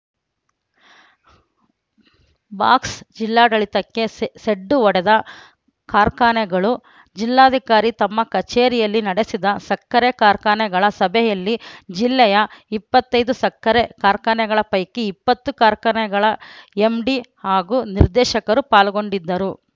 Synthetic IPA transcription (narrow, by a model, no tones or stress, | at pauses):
baːksd͡ʒilːaːɖɐɭit̪ɐkːe̞seɖːuʋɔɽɛd̪ɐ | kaːɾkaːɳɛɡɐɭu | d͡ʒilːaːd̪ʱikaːɾit̪ɐmːɐkɐt͡ʃeːɾijɐlːinɐɽesid̪ɐsɐkːɐɾekaːɾkaːɳɛɡɐɭɐsɐbʱɛjɐlːid͡ʒilːɛjɐipːɐt̪ːɐjd̪usɐkːɐɾekaːɾkaːɳɛɡɐɭɐpɐjkːiipːɐt̪ːukaːɾkaːɳɛɡɐɭɐe̞mɖihaːɡuniɾd̪ɛːʃɐkɐɾupaːlɡo̞ɳɖid̪ːɐɾu